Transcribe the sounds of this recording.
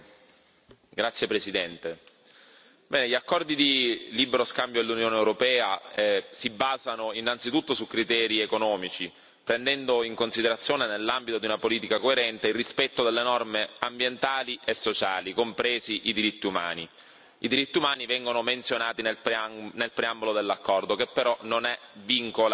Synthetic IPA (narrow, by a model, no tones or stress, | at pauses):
ɡɾat̪sːjepɾesid̪ɛnt̪e | bɛːneʎiakːɔrd̪id̪ilibeɾoskambjod̪elːunjoːneewɾopɛːaɛsibːaːzanoinːant̪sit̪ut̪ːosukːɾit̪ɛːɾiekonɔːmit͡ʃi | pɾend̪ɛnd̪oiŋkonsid̪eɾat̪sːjoːnenelːambit̪od̪iunapoliːt̪ikakoeɾɛnt̪eilrispɛt̪ːod̪elːenɔrmeambjent̪aːliʔesːot͡ʃaːlikompɾeːziʔid̪iɾit̪ːiuma̰ːnḭ | id̪iɾit̪ːiumaːnivɛŋɡonoment̪sjonaːt̪inepnelpɾeambolod̪elːakːɔrd̪okepːeɾɔnonɛviŋkola